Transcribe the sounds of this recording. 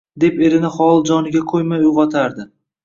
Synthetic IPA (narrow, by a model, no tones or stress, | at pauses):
d̪e̞pe̞ɾɪnɪχɒlˠd͡ʒɒnɪɡʲakʰojmajʊvɒt̪ʰaɾd̪ɪ